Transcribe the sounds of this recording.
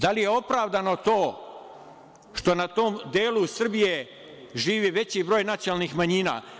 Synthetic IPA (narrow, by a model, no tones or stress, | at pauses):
d̪alije̞o̞pɾaːʋd̪ano̞t̪o̞ː | ʃt̪o̞nat̪oːmd̪eːlusr̩bije | ʒiːʋiʋe̞t͡ɕibɾoːjnat̪sjonalˠnixmaɲiːna̰ː